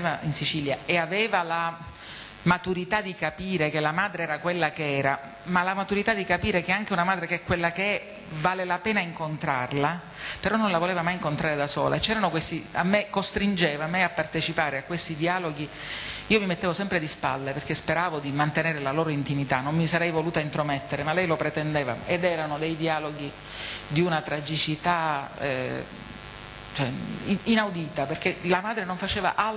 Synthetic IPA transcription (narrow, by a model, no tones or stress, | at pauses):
vainsit͡ʃiːljaeaveːvala | mat̪uɾit̪ad̪ːikapiːɾekelamaːd̪ɾeɛːɾakwelːakeɛːɾa | malamat̪uɾit̪ad̪ːikapiːɾekeaŋk̟eunamaːd̪ɾekeɛkːwelːakeɛ | vaːlelapɛːnaiŋkont̪ɾa̰rla | peɾɔnːonlavoleːvamajiŋkont̪ɾaːɾed̪aso̰ːla̰et͡ʃɛːɾanokwest̪ia̰mːekːost̪ɾind͡ʒeːvameapːart̪et͡ʃipaːɾeakːwest̪id̪iaːloɡi | iːomimet̪ːeːvosɛmpɾed̪ispa̰lːeperkespeɾaːvod̪imant̪eneːɾelaloːɾoint̪imit̪anːommisaɾɛjvoluːt̪aint̪ɾomet̪ːeɾemalːɛjlopɾet̪end̪eːva̰ed̪ɛːɾanod̪ejd̪iaːloɡi | d̪iunat̪ɾad͡ʒit͡ʃit̪a | t͡ʃɛinawd̪iːt̪aperk̟elamaːd̪ɾenoɱfat͡ʃeːva̰ʔal